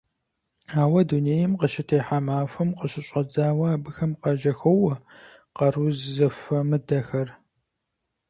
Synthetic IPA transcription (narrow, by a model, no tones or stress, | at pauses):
aːwɐduneːjɪmqəʃɪtʰeːħamaːfɐmqəɕɪɕʼɐd͡zaːwɐaːbɨxɐmqɑʒɐxɐwɐ | qɐruzzɨfɐmɨdɐxɐr